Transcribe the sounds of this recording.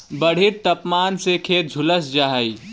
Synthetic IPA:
bəɽ̤ɪɾt̪ɐpmaːnsekʰeːt̪̚d͡ʒʱʊləsd͡ʒaːɦiː

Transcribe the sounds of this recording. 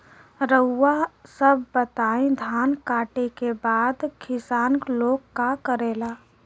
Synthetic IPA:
ɾəʊːasəbːət̪aːẽd̪ʱaːnkaːʈekebaːd̪kʰɪsaːnkloːkːkakəɾeːlaː

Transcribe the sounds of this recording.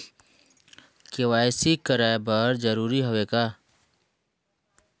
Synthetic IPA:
kewaːjsikəɾaːbəɾd͡ʒəɾuːɾiɦoʋeːɡaː

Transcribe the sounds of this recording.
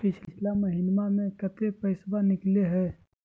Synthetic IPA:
pɪt͡ʃʰt͡ʃʰlaməɦɪnmamẽkət̪epəɪsbanɪkleɦɛː

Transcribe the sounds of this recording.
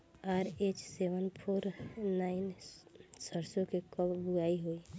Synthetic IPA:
aɾet͡ʃseʋənpʰoːɾnaɪn | səɾsokekəbbuaiɦoi

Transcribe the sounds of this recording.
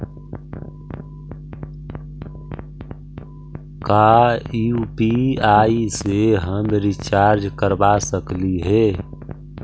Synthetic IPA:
kaːupiaːiseɦəmɾɪt͡ʃaːɾd͡ʒkəɾbasəkliɦɛː

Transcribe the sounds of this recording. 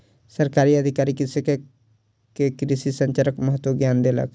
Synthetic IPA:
səɾkaːɾiəd̪ʱɪkaːɾikɪseke | kekɾisisə̃ɲt͡ʃəɾəkmɐɦət̪woɡjaːnd̪elə̰k

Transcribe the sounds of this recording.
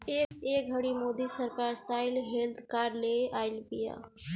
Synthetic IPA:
ekek̚ɦəɽimod̪isəɾkaɾsaɪlɦelt̪ʰkaɾleʔaɪlpija̰

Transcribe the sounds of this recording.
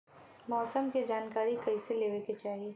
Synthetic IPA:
mɔːsəmkid͡ʒaːnkaːɾikɐiseleːʋeket͡ʃaːɦieː

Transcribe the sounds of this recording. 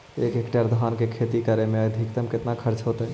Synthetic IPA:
ekekʈaɾd̪ʱankekʰet̪ikəɾemeəd̪ʱikt̪əmket̪nakʰəɾt͡ʃʰɦot̪ə

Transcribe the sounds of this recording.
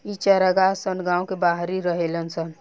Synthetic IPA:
it͡ʃəɾəɡasənɡãːũkebaɦɾiɾəɦelənsən

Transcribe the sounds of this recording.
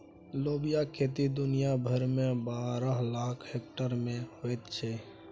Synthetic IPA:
loːbijaket̪id̪ʊnijabʱəɾmẽbaːɾəɦlaːkʰhek̚ʈəɾmẽɦoet̪t͡ʃʰɛ

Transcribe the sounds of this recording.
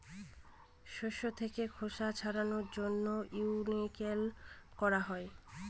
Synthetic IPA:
ʃoʃot̪ʰekekʰoʃat͡ɕʰaɾanoɾd͡ʑonːouwnikelkɔɾaɦɔe

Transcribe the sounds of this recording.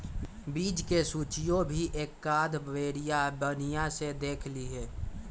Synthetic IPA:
biːd͡ʒkesuːt͡ʃijõbʱiʔeːkːaːd̪ʋeːɾijabənijased̪eːkʰliɦɛː

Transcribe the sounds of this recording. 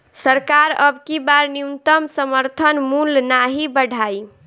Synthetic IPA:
səɾkaɾəbkibaɾniunt̪əmsəməɾt̪ʰənmulnaɦibəɽʱaj

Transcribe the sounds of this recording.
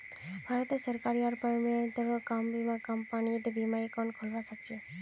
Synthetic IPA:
bʱaɾɔt̪esəɾkaɾiaɾpɔjmɔnt̪ɔɾɔkambimakampaniet̪bimaikɔnkʰolbasak̚t͡ʃʰe

